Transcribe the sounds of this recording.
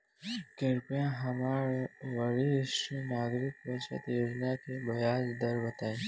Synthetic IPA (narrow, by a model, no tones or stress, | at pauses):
keɾpjãɦəmaɾʋəɭisinaɡɾikʋət͡ʃə̰t̪jod͡ʒnakebəjad͡ʒd̪əɾʋət̪ae